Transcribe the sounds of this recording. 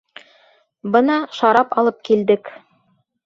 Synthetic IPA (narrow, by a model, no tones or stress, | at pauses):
bɤnɑʃɑɾɑpɑlˠɤp̚kild̪ɘk